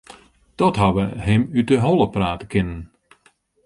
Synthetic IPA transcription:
d̥ɔtɦaʋəɦɪmydəɦɔlˠəpraːtəkɪnən

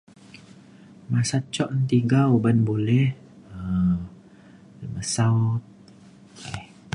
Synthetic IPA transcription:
masat͡ʃɔʔnt̪iɡaubanbolɛh | ə | ləməsat̪̚ | lɛh

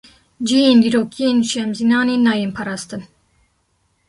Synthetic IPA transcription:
d͡ʒijeːnd̪iːɾoːkʰijeːnʃɛmzinɑːnenɑːjeːnpʰɑɾɑːst̪ɨn

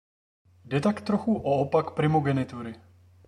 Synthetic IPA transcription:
dɛt̪akt̪ɾoxuʔoopakpɾɪmoɡɛnɪt̪uɾɪ

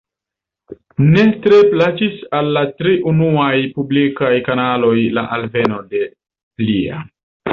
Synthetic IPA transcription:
ne̞tɾe̞plat͡ʃisalːatɾiʔunuajpublikajkanalo̞jla̰ʔalve̞no̞de̞ | plia̰

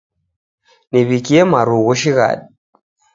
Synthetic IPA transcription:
niβikiɛmaɾuɣuʃiɣa̰ɗi

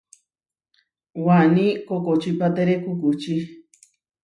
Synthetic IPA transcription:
wanikokot͡ʃipat̪eɾekukut͡ʃi

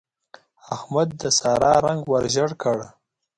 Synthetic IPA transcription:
ahmad̪̚ːəsɑɾɑɾaŋɡwaɾʒəɽkəɽ

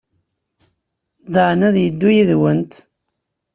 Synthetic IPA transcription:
d̪əʕnæðjəd̪ːujiðwənt̪

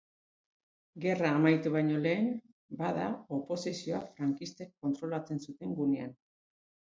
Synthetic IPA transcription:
ɡe̞raːmajt̪uβ̞ajɲo̞le̞ːn | baðao̞po̞sisio̞afɾaŋkist̪e̞kːont̪ɾo̞lat͡se̞nsut̪e̞ŋɡunean

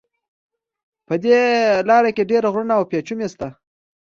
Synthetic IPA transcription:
pəd̪elɑɾakeɖeɾaɣɾunaːwpjet͡ʃumest̪a

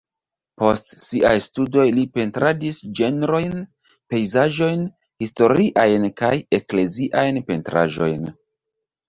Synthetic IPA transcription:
po̞stsiʔajstudo̞jlipe̞ntɾadisd͡ʒe̞nɾo̞jn | pe̞jzaʒo̞jn | histo̞ɾiʔajnkaje̞kle̞ziʔajnpe̞ntɾa̰ʒo̞̰jn

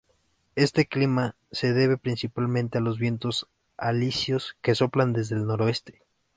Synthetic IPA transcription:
e̞st̪eklima | se̞ðe̞βe̞pɾinsipalmẽnt̪ealo̞zβje̞nt̪o̞s | alisjo̞ske̞so̞pland̪ezðeːlno̞ɾoe̞st̪e

